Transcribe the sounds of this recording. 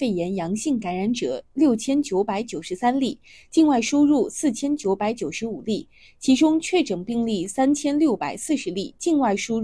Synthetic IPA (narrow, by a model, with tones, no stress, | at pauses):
e˥˩ɪjɛ˧˥njɑ˧˥ŋɕi˥˩ŋka˧˥nɻa˧˥nʈ͡ʂɤ̰˨˩˦ljo˥˩ʊt͡ɕʰjɛ˥nt͡ɕjo˧˥ʊpa˧˥ɪt͡ɕjo˨˩ʊʂ̩˧˥sa˥nli˥˩ | t͡ɕi˥˧nwa˥˩ɪʂu˥ɻu˥˧sɹ̩˥˩t͡ɕʰjɛ˥nt͡ɕjo˧˥ʊpa˧˥ɪt͡ɕjo˨˩ʊʂɻ̩˧˥u˨˩li˥˩ | t͡ɕʰi˧˥ʈ͡ʂʊ˥ŋt͡ɕʰɥɛ˥˩ʈ͡ʂɤ˨˩ŋpi˥˧ŋli˥˩sa˥nt͡ɕʰjɛ˥nljo˥˩ʊpa̰˨˩ɪsɹ̩˥˩ʂɻ̩˧˥li˥˩t͡ɕi˥˧nwa˥˩ɪʂu˥